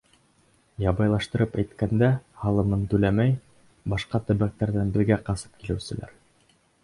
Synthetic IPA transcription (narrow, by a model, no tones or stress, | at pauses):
jɑbɑjlˠɑʃt̪ɤ̆ɾɤpæjt̪kænd̪æhɑlˠɤ̆nɤnt̪ʉlæmæj | bɑʃqɑt̪ɵ̆βæk̚t̪æɾðænbɘ̆ɾɡæqɑsɤ̥p̚kilɘ̆wsɘ̆lʔæ̰ɾ